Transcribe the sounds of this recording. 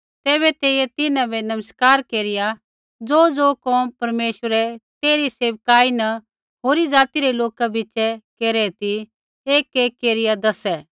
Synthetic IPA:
t̪ɛːbɛt̪eːɪjɛt̪ɪnãbɛnɐməskaːɾkeːɾɪja | d͡zoːd͡zoːkɔːmpɐɾmeːʃwəɾɛt̪eːɾiseːʋkaːinɐ | ɦoːɾid͡zaːt̪iɾɛloːkabɪt͡ʃɛkeːɾɛt̪i | eːkeːkːeːɾɪjad̪ɐsɛ

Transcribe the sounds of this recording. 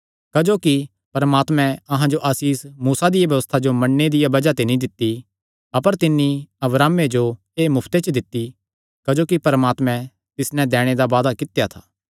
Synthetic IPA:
kɐd͡ʒoːki | pɐɾəmaːt̪mɛ̃ɐɦãd͡ʒoʔɐsiːsmuːsad̪ɪjabjɐʋəst̪ʰad͡ʒomɐ̃ɳːed̪ɪjabɐd͡ʒat̪enĩd̪ɪt̪ːi | ɐpəɾt̪ɪnːiɐbɾaːmed͡ʒo | eːmʊpʰt̪et͡ʃəd̪ɪt̪ːi | kɐd͡ʒoːkipɐɾəmaːt̪mɛ̃ | t̪ɪsnɛ̃d̪ɛːɽ̃ed̪aʋaːd̪akɪt̪ejat̪ʰaː

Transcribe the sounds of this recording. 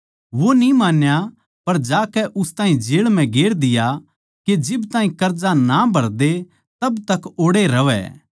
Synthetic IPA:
ʋonĩmaːnja | pɐɾd͡ʒaːkɛʔʊst̪ãːĩd͡ʒeːɭmɛ̃ɡeːɽd̪ɪja | ked͡ʒɪbt̪aːɦĩkɐɾd͡ʒanabʱɐɾd̪e | t̪ɐbt̪ɐkoːɽeɾɐʋɛ̰

